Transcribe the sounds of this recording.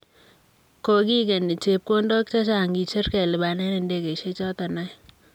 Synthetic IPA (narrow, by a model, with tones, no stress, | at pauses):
ko˦ki˦ke˨ni˨t͡ʃe˦p̚ko˦ndo˦k̚t͡ʃa˦t͡ʃa˨ŋɡi˨t͡ʃe˦ɾkɛ˨lɪ˨ba˨nɛ˦ne˨nde˦ke˨ʃe˦t͡ʃɔ˦ta˨na˦j